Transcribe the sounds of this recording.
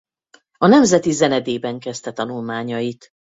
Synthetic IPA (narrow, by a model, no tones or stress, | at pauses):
ɒnɛmzɛt̪izɛnɛd̪eːbɛŋkɛst̪ɛt̪ɒnulmaːɲɒjit̪